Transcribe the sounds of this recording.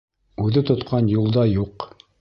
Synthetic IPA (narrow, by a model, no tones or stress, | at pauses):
ʉðɘt̪ŏt̪qɑnjulˠd̪ɑjuq